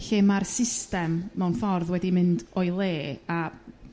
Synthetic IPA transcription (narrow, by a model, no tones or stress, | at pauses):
ɬɪmarsɪstɛmːɛwnfɔrðwɛdimɨndɔjlˠeːa